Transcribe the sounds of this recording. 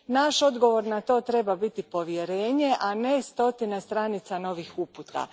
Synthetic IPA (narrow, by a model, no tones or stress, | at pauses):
naʃo̞d̪ɡo̞ʋo̞ɾnat̪o̞ːt̪ɾe̞babit̪ipo̞ʋjeɾe̞ːɲe̞ʔane̞st̪o̞t̪inest̪ɾanit̪sano̞ʋixuput̪ka̰